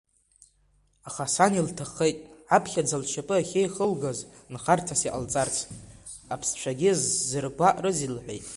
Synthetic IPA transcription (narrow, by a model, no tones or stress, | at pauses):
aχasaniltʰaχejtʼʕapʰχʲad͡zalʃapʼɨaχʲejχəlɡaz | nχartʰasiʔʼalt͡sʼart͡sʰapʰst͡ʃʷʰaɡʲizːɨrɡʷaʔrɨzilħʷḛjtʼ